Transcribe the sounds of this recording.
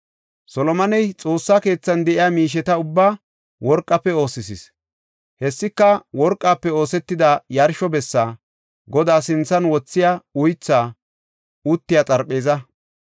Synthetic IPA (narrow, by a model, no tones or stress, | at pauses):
sɔlɔmɐnɛjt͡sʼo̞ːsːake̞ːt͡sːɐnd̪ɛʔɪjaːmiːʃ̬ɛt̪ɐʊbːaː | wɔɾkʼːɐpːɛo̞ːsɪsɪs | hɛsːɪkːɐwɔɾkʼːaːpːɛo̞ːsɛt̪ːɪd̪ajɐɾʃɔbɛsːaː | ɡɔd̪aːsɪnt͡sːɐnwɔt͡sːɪjaːʊjt͡sːaː | ʊt̪ːɪjaːt͡sʼɐɾpʼːe̞ːzɐ